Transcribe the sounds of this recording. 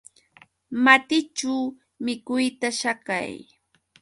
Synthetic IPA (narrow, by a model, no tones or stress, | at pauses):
mat̪ɪt͡ʃuw | mɪkʊjt̪aʃaka̰j